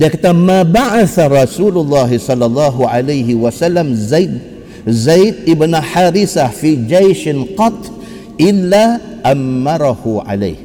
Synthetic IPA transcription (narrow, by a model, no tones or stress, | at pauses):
d̪akt̪amabaʕaθaɾˤɑsuːlʊlˤːɑːɦɪsˤɑlːɑlˤːɑːɦʊʕalajhɪwasalːamzad̪ | zajd̪ʔɪbnħaɾɪsafid͡ʒajʃnqɑt̪ˤː | ʔɪlːa | ʔamːɑɾˤɑhʊʕa̰la̰ːh